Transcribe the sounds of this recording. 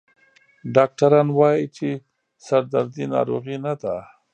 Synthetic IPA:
ɖɑk̚ʈaɾɑnwɑjit͡ʃe | saɾd̪aɾd̪inɑ̰ɾoɣinad̪a

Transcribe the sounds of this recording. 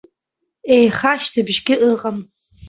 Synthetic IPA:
eːχaːʃtʰɨbʒɡʲɪʔɨqʼɐm

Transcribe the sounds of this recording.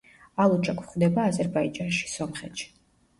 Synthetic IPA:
alˠut͡ʃʼakʷʼʰχd̪ɛbaːzɛɾbaid͡ʒanʃi̥sɔmχɛt̪ʃi̥

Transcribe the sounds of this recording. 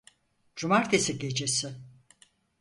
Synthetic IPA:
d͡ʒumaɾt̪ʰesiɟʲe̞d͡ʒesɪ

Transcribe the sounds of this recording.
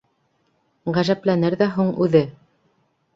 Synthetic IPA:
ʁæʒæplænɘɾðæɦuɴʉðɘ

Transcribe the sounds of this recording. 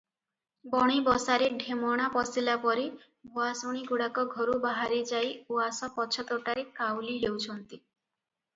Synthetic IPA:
bɔɽ̃ibɔsaɾeɖʱemɔɽ̃apɔsilapɔɾe | buasoɽ̃iɡuɽakɔɡʱɔɾubaɦaɾed͡ʒajuasɔpɔt͡ʃʰɔt̪ɔʈaɾekawlilewt͡ʃʰɔnt̪i

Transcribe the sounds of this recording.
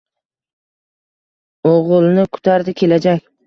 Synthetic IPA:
oʁɨlˠnɪkʰʊ̥t̪ʰaɾd̪ɪkʲʰe̞lad͡ʒakʲ

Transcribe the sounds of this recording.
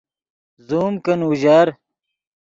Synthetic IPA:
zuːmkɐnuʑaːɾ

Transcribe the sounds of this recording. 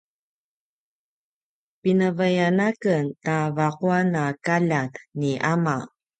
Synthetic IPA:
pinəvajanakəntavaquanakaʎatniʔama

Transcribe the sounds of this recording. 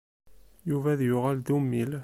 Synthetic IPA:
juvæðjʊʁæld̪umːil

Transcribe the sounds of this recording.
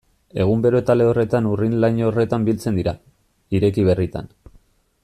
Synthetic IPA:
e̞ɣ̞umbe̞ɾo̞t̪ale̞o̞re̞t̪anurinlajɲo̞re̞t̪ambilt͡se̞nd̪iɾa | iɾe̞kiβ̞e̞rit̪a̰n

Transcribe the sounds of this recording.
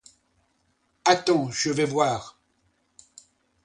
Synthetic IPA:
at̪ɑ̃ʒəvɛvwaːʁ

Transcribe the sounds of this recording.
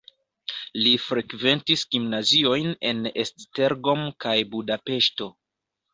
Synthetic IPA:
lifɾe̞kve̞ntisɡimnazio̞jne̞̰nestte̞ɾɡo̞mkajbudape̞ʃto̞

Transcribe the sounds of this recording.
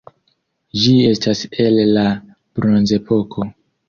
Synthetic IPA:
d͡ʒie̞stase̞lːa | b̥ɾonze̞po̞kʰo̞

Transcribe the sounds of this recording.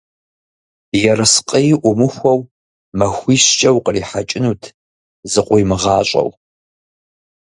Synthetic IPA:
jɛrɨsqʼəjʔʷʊmɨxʷɔw | mɐxʷiːɕt͡ʃʼɐwqəriːħat͡ʃʼɪnuːtʰ | zɨqʷʼʊjmɨʁɑːɕʼɐ̰w

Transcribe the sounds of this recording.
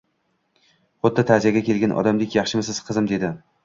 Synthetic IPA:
χʊd̪̚ːat̪ʰazijaɡʲakʲʰe̞lɡʲanʔɒ̰d̪amlɪkʲjɑχʃɪmɪsɪz̥qʰɨzɪmd̪e̞d̪ɪ

